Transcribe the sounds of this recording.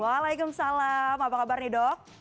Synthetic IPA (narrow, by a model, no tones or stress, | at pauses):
walajkʊmsalamapakabarnidɔk̚